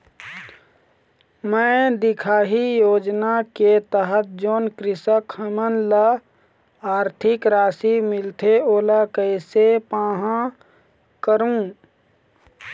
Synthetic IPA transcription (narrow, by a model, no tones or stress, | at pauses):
mə̃d̪ɪkʰaːɦijoːd͡ʒnaket̪əɦət̪̚ʰd͡ʒoːnkɾɪsəkhəmənlə | aːɾt̪ʰɪkɾaːsimɪlt̪ʰeoːlakəsepãːɦã | kəɾũ